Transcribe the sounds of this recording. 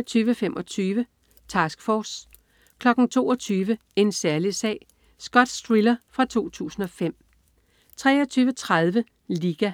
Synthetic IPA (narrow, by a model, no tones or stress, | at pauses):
t͡sʰyːʋəfemʔɒ̽t͡sʰyːʋə | t͡sʰɑ̈ːsɡ̥fɒːs | kʰlɒ̽ɡ̥n̩t͡sʰo̝ːɒ̽t͡sʰyːʋə | e̝nsæɐlisɛ̰ːɪ | sɡ̥ɒ̽d̥sd̥ʁilɐfʁɑ̈t͡sʰo̝̰ːt͡sʰṵːsn̩ɒ̽fem̰ | t͡sʰʁɛ̰ːɒt͡sʰyːʋət͡sʰʁað̞ˠʋə | liːɡ̥æ